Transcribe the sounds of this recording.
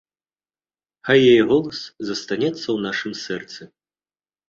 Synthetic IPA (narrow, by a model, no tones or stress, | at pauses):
xajːajɛɣɔlˠɐszɐst̪anʲɛt̪sːɐwnaʂɨmsɛrt̪sɨ